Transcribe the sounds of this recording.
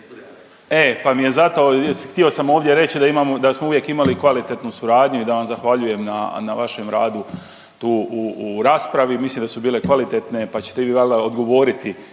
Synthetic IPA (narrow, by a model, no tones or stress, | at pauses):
e̞pamije̞zat̪o̞xt̪io̞samo̞ːʋd̪jeɾe̞t͡ɕid̪aimamod̪asmouʋje̞kimalikʋalit̪et̪nusuɾaːd̪ɲuid̪aʋamzaxʋaʎuje̞mna̰naʋaʃe̞mɾa̰ːd̪u | t̪uːuuɾaːspɾaʋimislimd̪asubiːle̞kʋalit̪et̪ne̞pat͡ɕe̥t̪eʋiːʋaleod̪ɡo̞ʋo̞ːɾit̪i